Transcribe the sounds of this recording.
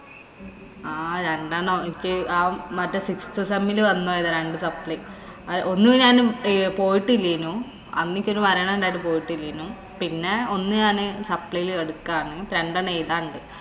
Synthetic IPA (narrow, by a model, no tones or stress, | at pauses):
aːɾe̞ɳɖaːɳoinikʲːɨaːmɐtːesikst̪ɨsɐmːilɨʋɐnːoːjɐðɐɾeɳɖɨsɐpːɭɐ | ɐʔo̞nːuinɲaːnɨpo̞ːjiʈːɨilːinːu | ɐ̰nːikʲːo̞ɾumɐɾɐɳɐɳɖaːjiʈ̬ːɨpo̞ːjiʈːilːinːu | pinːe̞o̞nːɨɲaːnɨsɐpɭɐjileɽukːaːɳɨɾeɳɖaːɳejt̪aːɳɖɨ